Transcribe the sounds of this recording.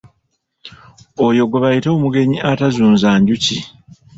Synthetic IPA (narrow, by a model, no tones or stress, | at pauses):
ojo̞ɡoβajitoːmuɡe̞ɲiatazuːnzaːɲɟuci